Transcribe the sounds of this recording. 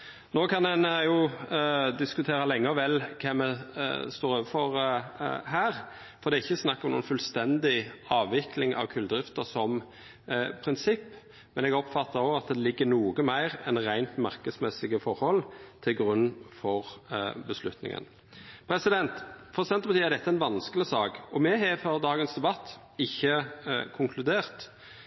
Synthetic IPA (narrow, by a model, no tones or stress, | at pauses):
noːkʰɑnɛnjʊ | d̪ɪskʉt̪ʰeːɾəlɛŋːəʋɛlːkʰɛmɛst̪oːɾøːʋəfɔɾ | ɦæːʁ | fɔɾd̪ɛɪçːəsnɑkːɔmnṵːnfʉlst̪ɛnd̪ɪɑːʋʋɪklɪŋʔɑ̰ʋkʰʉld̪ɾɪft̪əsɔm | pʰɾɪnsɪpː | mɛnɛɡɔpfɑt̪ʰːɑoɑt̪̚d̪ɛlɪɡːənuːɡəmæɪʁɛnɾæɪnt̪mɑɾkəd̪smɛsɪɡəfɔɾhɔlt̪ʰɪlɡɾʉnːfɔʁbəslʉt̪nɪ̰ŋə̰n | pʰɾɛsɪd̪ɛnt̪fʰɔsd̪ɛnəpɑt̪ʰːæɾd̪ɛt̪ːəæɛɪnʋɑnskəlɪsɑːkɔmɛɦɛfœɾd̪ɑːɡənsd̪ɛbɑt̪ː | ɪçːəkʰʊŋkʰlʉd̪eːʁt̪